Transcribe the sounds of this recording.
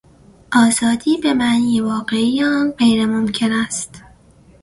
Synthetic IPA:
ʔɒːzɒːd̪iːbe̞mæʔniːjevɒːɢe̞ijːnɢejɾemomcʰe̞næst̪

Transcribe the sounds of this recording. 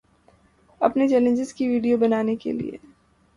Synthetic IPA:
ɐpnet͡ʃɛːlə̃nd͡ʒɪzkiʋiːɖijobɐnaːnekḛlḭḛː

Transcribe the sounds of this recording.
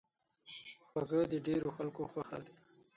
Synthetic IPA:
xazəjd̪əɖeɾoxalkoxwaxa̰ɾi

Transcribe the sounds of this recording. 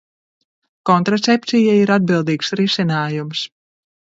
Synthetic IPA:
kɔnt̪ɾat̪sep̚t̪sʲijaiɾad̪̚bilˠd̪iːksɾisʲinaːjums

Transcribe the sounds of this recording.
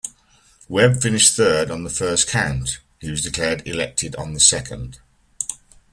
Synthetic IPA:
wɛb̥fɪ̃nɪʃθɜːdn̩ðəfɜˑskʰãʊ̃nt | hiwɒzdɪkʰl̥ɛːdɪ̰lɛk̚tʰɪdn̩ðəsɛkʰə̰̃nd̥

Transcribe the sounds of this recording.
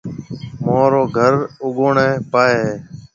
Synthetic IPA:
mõːɾoːɡʱəɾʊɠoːɳeːpaːeː

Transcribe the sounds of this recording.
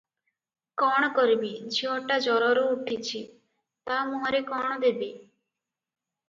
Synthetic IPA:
kɔɽ̃ɔkɔɾbid͡ʑiɔʈːad͡ʒɔɾɔɾouʈʰit͡ɕʰi | t̪amuɦaɾekɔɳ̃d̪ebi

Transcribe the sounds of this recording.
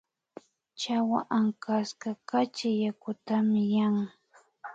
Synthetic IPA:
t͡ʃawa̰ʔaŋkaskakat͡ʃɪjakʊt̪amɪjaŋ

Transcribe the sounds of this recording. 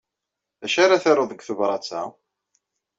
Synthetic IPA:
ðæʃaɾaθeɾˤoðˤəɡθuvɾˤɑt͡sːæ̰

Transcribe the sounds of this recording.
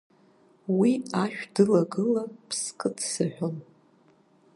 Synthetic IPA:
wiaʃᶣdɨlaɡɨlapʰskʼɨtʰsɨħʷᶣom

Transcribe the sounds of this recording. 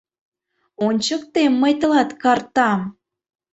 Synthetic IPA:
onʲt͡ɕək̚t̪emːəjt̪ə̆lɑt̪kɑrt̪ɑm

